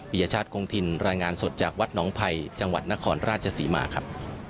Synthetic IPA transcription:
wi˨˩a˧t͡ɕʰaː˥˩t̪̚kʰoː˧ŋt̪ʰi˧nɾaː˧jŋaː˧nso˨˩t̪̚t͡ɕaː˨˩k̚wa˦˥t̪̚nɔː˩˦ŋpʰa˧jt͡ɕa˧ŋwa̰˨˩t̪̚na˦˥kʰɔː˧nɾaː˥˩t̪̚t͡ɕʰa˧siː˩˦ma̰ː˩˦kʰa˦˥p̚

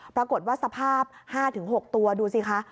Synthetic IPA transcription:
pɾa˧ko˨˩t̪̚waː˥˩sa˧pʰaː˥˩p̚haː˥˩t̪ʰɯ˩˦ŋɦo˨˩k̚t̪u˧ɐduː˧si˧˩kʰa˦˥ʔ

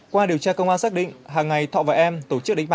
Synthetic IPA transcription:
kwaː˧ɗi˨˩əwt͡ɕaː˧kə˧wŋ͡mʔaː˧nsaː˦˥k̚ɗḭ˧˨ŋ̟ɦaː˨˩ŋːa˨˩jt̪ʰɔ̰ː˧˨vaː˨˩ʔɛ˧mt̪o˧˩t͡ɕɨ˦˥k̚ɗï˧˦ŋ̟ɓa˧˨˩

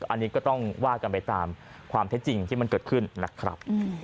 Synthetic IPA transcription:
ʔa˧nːiː˦˥kɔː˥˩t̪ɔ˥˩ŋwaː˥˩ka˧npa˧jt̪aː˧mkʰwaː˧mt̪ʰe˦˥t̪̚t͡ɕi˧ŋt̪ʰiː˥˩ma˧nkɤː˨˩t̪̚kʰɯ˥˩nːa˦˥kʰɾa̰˦˥p̚

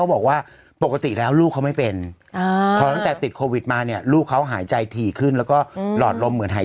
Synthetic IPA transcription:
wbɔː˨˩k̚waː˥˩ | po˨˩kːa˧t̪i˨˩lɛː˦˥wluː˥˩kʰːa˦˥wma˥˩jpe˧nːʰ˧ | ɔː˧˦t̪a˥˩t̪ɛː˨˩t̪i˨˩t̪̚kʰoː˧wi˨˩t̪̚maː˧ni˥˩ɐluː˥˩kʰːa˦˥wɦaː˩˦jt͡ɕa˧jt̪ʰiː˨˩kʰɯ˥˩nlɛː˦˥wkɔː˥˩lɔː˨˩t̪̚lo˧mːɯ˩˦ənɦaː˩˦

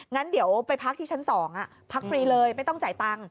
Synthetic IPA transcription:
ŋa˦˥ndi˨˩˦əwpa˧jpʰa˦˥k̪̚ʰi˥˩a˦˥nsɔː˩˦ŋʔa˨˩ | pʰa˦˥k̚fɾiː˧lɤː˧jma˥˩jt̪ɔ˥˩ŋt͡ɕaː˨˩jt̪a˧ŋ

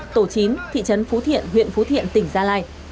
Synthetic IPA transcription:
t̪o˧˩t͡ɕi˨˦nt̪ʰḭ˧˨t͡ɕə˨˦nfu˨˦t̪ʰḭ˧˨ənɦwḭ˧˨ənfu˨˦t̪ʰḭ˧˨ənt̪ï˧˩ŋ̟zaː˧laː˧j

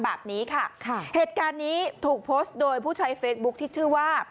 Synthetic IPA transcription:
bɛː˨˩p̚niː˦˥kʰa˥˩kʰheː˨˩t̪̚kaː˧nːiː˦˥t̪ʰuː˨˩k̚pʰoː˦˥st̪̚doː˧jpʰuː˥˩t͡ɕʰa˧˥jfeː˦˥t̪̚bu˦˥k̚t̪ʰiː˥˩t͡ɕʰɯː˥˩waː˥˩

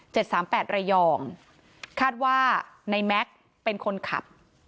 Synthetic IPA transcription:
t͡ɕe˨˩t̪̚saː˩˦mpɛː˨˩t̪̚ɾa˧jɔː˧ŋ | kʰaː˥˩t̪̚waː˥˩na˧jmɛ˦˥k̚ | pe˧nkʰo˧nkʰa̰˨˩p̚

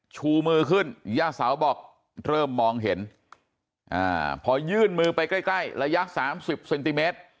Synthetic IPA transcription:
t͡ɕʰuː˧mɯː˧kʰɯ˥˩n˦jaː˥˩saː˩˦wbɔː˨˩k̚ | ɾɤː˥˩mːɔː˧ŋɦe˩˦n | ʔa̰ː˧˩pʰɔː˧jɯː˥˩nmɯː˧pa˧jkla˥˩jkla˥˩jɾa˧ja˦˥ʔsaː˩˦msi˨˩p̚se˧nt̪i˧meː˦˥t̪̚

